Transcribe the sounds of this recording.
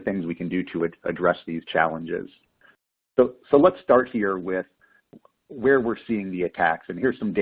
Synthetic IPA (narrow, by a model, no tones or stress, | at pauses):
θɪ̃ŋzwikʰɨ̃ndɨɾɨɨɨ̰dɹɛsðiz̥t͡ʃʰæ̰lˠə̃nd͡ʒɪ̰z̥ | soʊsoʊlətstɑɹt̚hiɹwɪð̥ | wə˞wɪɹsiɪ̃ŋðiɨtʰæ̰ksɨ̃nhiɹz̥sʌ̃mde